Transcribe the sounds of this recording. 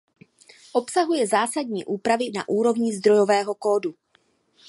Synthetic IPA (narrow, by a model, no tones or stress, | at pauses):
ʔo̞psaɦujɛzaːsadɲiːʔuːpɾavɪnaʔuːɾo̞vɲizd̪ɾo̞jo̞vɛːɦo̞koːdu